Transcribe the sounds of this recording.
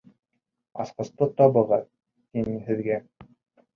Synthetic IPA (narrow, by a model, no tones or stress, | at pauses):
ɑ̰sqɤ̆st̪ɤt̪ɑbɤ̆ʁɑ | t̪inɘhɘ̆ðɡæ